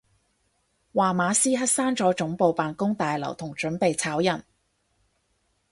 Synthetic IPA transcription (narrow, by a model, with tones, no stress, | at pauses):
waː˨˩maː˨˧siː˥ɦɐ˥t̚saː˥nt͡sɔː˨˥t͡ʃʊ˨˥ŋpo˧wpaː˨nkʊ˥ŋt̪aː˨jlɐ̰˨˩wt̪ʰʊ˨˩ŋt͡ʃɵ˨˥npe˨jt͡sʰaː˨˥wjɐ˨˩n